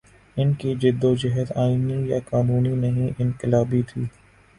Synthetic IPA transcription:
ɪnkid͡ʒɪd̪ːod͡ʒɛɦəd̪aːinijakaːnuːninɐɦĩʔɪ̃nkɪlaːbit̪ʰiː

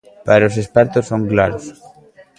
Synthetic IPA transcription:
paɾosespɛɾt̪osːoŋklaɾos

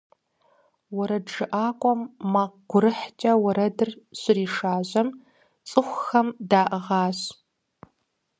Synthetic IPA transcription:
wɔɾɐʐɨʔaːkʷʼɔmːaːqɡ̥ʷʊɾɨħt͡ʃʼɐwɐɾɐdɨrɕɪriːʂaːʑɐm | t͡sʼɨxʷxɐmdaːʔɨʁɑːɕ

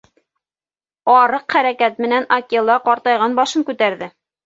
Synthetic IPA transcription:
ɑɾɤqχæɾækæt̪̚mɘ̆nænɑkʲilˠɑqɑɾt̪ɑjʁɑnbɑʃɤŋkʉt̪æɾðɘ

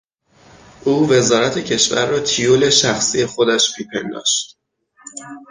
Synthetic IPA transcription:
ʔuːve̞zɒːɾæt̪ʰe̞cʰe̞ʃvæ̰ɾːɒːt̪ʰijole̞ʃæxsije̞xo̞d̪æʃbʰiːpʰend̪ɒ̰ːʃt̪

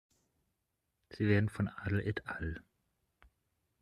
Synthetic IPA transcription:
z̥iːveːɐdn̩fɔnaːdl̩ʔɛtʰal

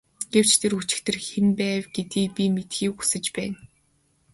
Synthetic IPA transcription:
ɡ̥ew̥t͡ɕt̪ʰerxut͡ɕɪ̥̆kt̪ʰɘ̆rxenpæːwɡ̥et̪iːpʲimet̪xiːku̥sɘ̆t͡ɕpæːn

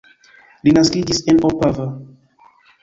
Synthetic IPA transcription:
linaskiɡisɛ̃nɔpavə

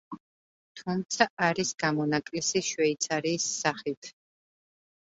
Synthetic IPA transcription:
t̪ʰumt̪sʰaʔaɾisɡamɔnakʼlisiʃwɛit̪sʰaɾiːsːaχit̪ʰ

